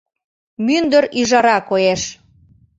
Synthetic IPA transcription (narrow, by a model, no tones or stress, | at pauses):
mynd̪əɾiʒɑɾɑkojeʃ